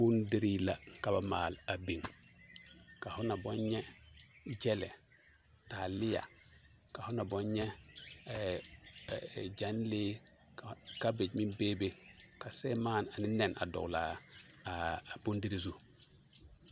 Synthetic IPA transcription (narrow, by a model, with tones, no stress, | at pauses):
bu˦ndi˦ɾi˦la˨ka˨ba˨maː˨la˨bi˨ŋ | ka˨hu˦na˨bɔ˦ɲɲɛ˦ | d͡ʒɛ˦lɛ˨ | ta˨li˦ja̰˨ | ka˨hu˦na˨bɔ˦ɲɲɛ˦ | d͡ʒa˦nle˦ | ka˦be˨d͡ʒmi˦beː˦be˦ka˨se˦maː˦na˨ni˦nɛ˨na̰˨dɔ̰˨la˨ | bu˦ndi˦ɾi˦˨zu˨